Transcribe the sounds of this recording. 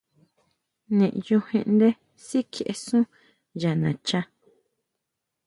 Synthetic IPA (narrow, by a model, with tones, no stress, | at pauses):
nẽ˨ʔju˧hẽ˧ʔnd̪e˦ | si˦kʰe˨ʔe˧sũ˦ | ja˨nã˨t͡ʃa˧